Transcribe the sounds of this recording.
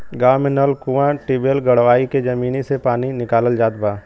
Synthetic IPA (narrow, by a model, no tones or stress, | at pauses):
ɡaːmɪnəlkuʋãʈibeːlɡɐɽʋaːiked͡ʒɐmiːnisepaːninɪkaːləld͡ʒaːt̪̚baː